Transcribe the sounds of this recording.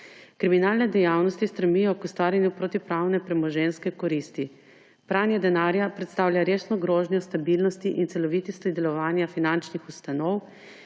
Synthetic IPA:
kɾiminaːlnɛd̪ɛjawnɔst̪ist̪ɾɛmijɔkust̪ʋaːɾjanjupɾoːt̪ipɾawnɛpɾɛmɔʒɛnskɛkɔɾist̪i | pɾanjɛd̪ɛnaːɾjapɾɛt̪st̪aːwlʲjaɾeːsnɔɡɾoːʒnjɔst̪abilnɔst̪iʔint̪sɛlɔʋiːt̪ist̪ɔd̪ɛlɔʋaːnjafinant͡ʃnixust̪anɔw

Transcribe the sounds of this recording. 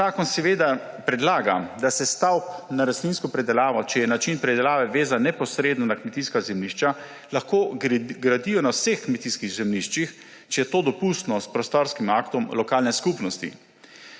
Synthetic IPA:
aːkɔnsɛʋeːd̪a | pɾɛd̪laːɡad̪asɛst̪awpnaɾast̪ninskɔpɾɛd̪ɛlaːʋɔt͡ʃɛjɛnat͡ʃinpɾɛd̪ɛlaːʋɛʋeːzanɛpɔsɾeːd̪nɔnakmɛt̪iskazɛmniʃt͡ʃa | laxkoːɡɾad̪ijɔnawsexkmɛt̪iskiɣzɛmniʃt͡ʃix | t͡ʃɛjɛt̪oːd̪ɔpust̪nɔspɾɔst̪ɔɾskimaːkt̪ɔmlɔkaːlnɛskupnɔst̪ḭ

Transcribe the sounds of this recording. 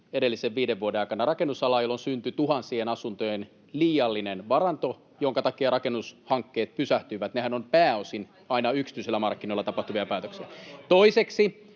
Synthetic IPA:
edelːiseʋʋiːdeʋːuodenɑikɑnːɑrɑkenːusɑlɑːjolːonsynt̪yt̪uɦɑnsienɑsunt̪ojen | liːjɑlːinenʋɑrɑnt̪o | joŋkɑt̪ɑkiɑɾɑkenːushɑŋkːeːt̪̚pysæht̪yːʋæt̪nehænompæːosin | ɑinɑyksit̪yiselːæmɑrkːinolːɑt̪ɑpɑht̪uʋiɑpæːt̪øksiɑt̪oiseksi

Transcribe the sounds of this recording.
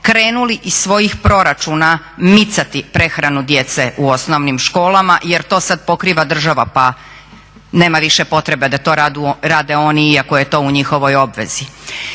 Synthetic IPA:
kɾe̞ːnuliʔissʋo̞jixpɾo̞ɾat͡ʃuːna | mit̪sat̪ipɾe̞xɾanud̪je̞t̪se̞ʔuo̞sno̞ʋnimʃko̞ːlˠamaʔje̞ɾt̪o̞ːsad̪̚po̞kɾiːʋad̪r̩ʒaʋapa | ne̞ːmaʋiʃe̞po̞t̪ɾe̞bed̪at̪o̞ːɾad̪uɾaːd̪e̞o̞niiako̞je̞t̪o̞ːuɲixo̞ʋo̞jo̞bʋe̞̰zi

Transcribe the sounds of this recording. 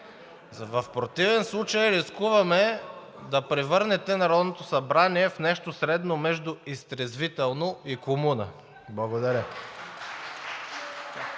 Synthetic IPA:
vɐfpɾot̪ivɛnslˠut͡ʃəjɾiskuvɐmɛ | d̪ɐpɾɛvɤɾnɛt̪ɛnɐɾɔd̪not̪osɐbɾaniɛfnɛʃt̪osɾɛd̪nomɛʒd̪ʊist̪ɾɛzvit̪ɛlˠnoikomunə | blˠɐɡod̪ɐɾʲə

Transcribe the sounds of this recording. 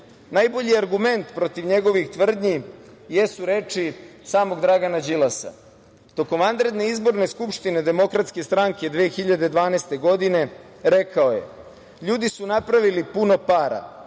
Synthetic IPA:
najbo̞ʎiaɾɡume̞nt̪pɾo̞t̪iʋɲe̞ɡo̞ʋixt̪ʋr̩d̪ɲije̞suɾe̞ːt͡ʃisaːmo̞ɡd̪ɾaɡanad͡ʑilˠasa̰ | t̪o̞ko̞mʋand̪ɾe̞d̪ne̞izbo̞ɾne̞skupʂt̪ine̞d̪e̞mo̞kɾat̪ske̞st̪ɾaŋke̞d̪ʋeːxiʎad̪ed̪ʋaːnest̪e̞ɡo̞d̪ine̞ | ɾe̞kaoje̞̰ | ʎuːd̪isunapɾaʋilipuno̞paːɾa̰

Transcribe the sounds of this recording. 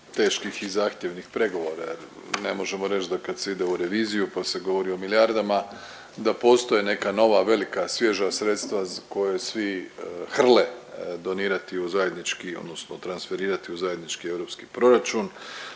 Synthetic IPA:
t̪e̞ːʃkixizaːxt̪ʲjeʋnixpɾe̞ɡo̞ʋo̞ɾa̰jḛɾ | ne̞̰mo̞ʒe̞mo̞ɾe̞t͡ʃd̪akad̪seid̪e̞uɾe̞ʋiːzijupase̞ɡo̞ʋo̞ɾio̞miljaɾd̪ama | d̪apo̞ːst̪ojene̞kano̞ʋaʋe̞likasʋje̞ʒasɾe̞t̪st̪ʋazko̞jesʋixr̩led̪o̞niːɾat̪iuzaje̞d̪nit͡ʃkio̰d̪no̞snot̪ɾansfe̞ɾiːɾat̪iuzaje̞d̪nit͡ʃkie̞ʋɾo̞pski̥pɾo̞ɾat͡ʃun

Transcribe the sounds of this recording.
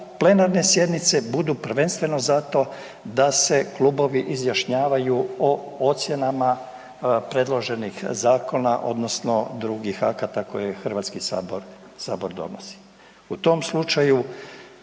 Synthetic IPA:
ple̞naɾne̞sje̞d̪nit̪se̞bud̪upr̩ʋe̞nst̪ʋe̞no̞zat̪o̞ | d̪ase̞klˠuːbo̞ʋiʔizjaʃɲaːʋajuo | ot̪sje̞nama | pɾe̞d̪lˠo̞ʒe̞nixzaːko̞na̰ʔo̞̰d̪no̞sno̞d̪ɾuɡixakat̪ako̞jexr̩ʋat̪skisaboɾ | saːbo̞ɾd̪o̞̰nosi̥ | ut̪o̞mslˠut͡ʃaju

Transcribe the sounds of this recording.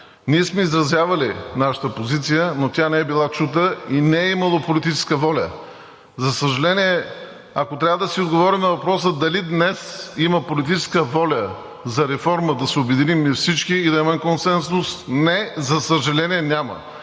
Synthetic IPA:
niɛsmɛizɾɐzjavɐlinaʃə̥t̪əpozit̪sijənot̪ʲjanɛɛbilˠat͡ʃut̪əinɛɛimɐlˠopolit̪it͡ʃɛ̥skəvɔlʲə̰ | zɐsəʒɐlɛniɛ | ɐkot̪ɾʲavəd̪ɐsiod̪ɡovɔɾimnɐvɐpɾɔsəd̪ɐlid̪nɛsimɐpolit̪̬it͡ʃɛskəvɔlʲə | zɐɾɛfɔɾməd̪ɐsɛʊbɛd̪inimifsit͡ʃkiːd̪ɐimɛmkonsɛnsʊsnɛzɐsəʒɐlɛnʲiɛnʲamə̰

